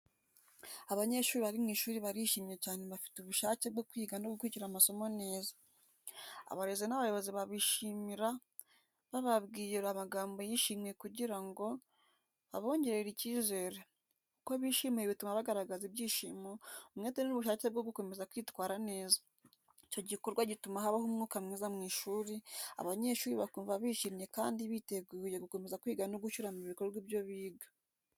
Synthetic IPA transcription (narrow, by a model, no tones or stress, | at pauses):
aβaɲe̞ʃuːɾiβaɾimŋiːʃuːɾiβaɾiʃiːmijecaːne̞βafi̥tuβuʃaːcebɡokwiːɡanoɡukuiciɾamaso̞mone̞ːzḁ | a̰βaɾe̞zenaβajo̞βo̞ziβaβiʃimiɾa | βaβabɡiːjeɾamaɡaːmbo̞jiʃiːme̞kuɟiɾaŋɡo̞ | a̰βo̞ːɲɟe̞ɾeɾiciːze̞ːɾe | kukoβiːʃimeeβitumaβaɡaɾaɡazibjiːʃimoumŋeteninuβuʃaːceb̚ɡo̞ɡuko̞me̞zakwiːtwaːɾane̞ːza | ico̞ɟiko̞ɾɡwaɟitumahaβahomŋuːkamŋiːzamŋiːʃuːɾia̰βaɲe̞ʃuːɾiβakuːɱvaβiːʃiːmɲe̞kaːndiβite̞ɡuːje̞ɡuko̞me̞zakwiːɡanoɡuʃuɾamuβikoɾwibjo̞βiːɡḁ